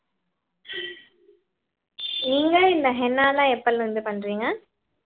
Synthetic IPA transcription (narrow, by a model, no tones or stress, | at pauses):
niːŋɡɐɪnd̪ɐɦɛnːaːlãːɛpːɐlʋɐnd̪ɯpɐnːɾiːŋɡɐ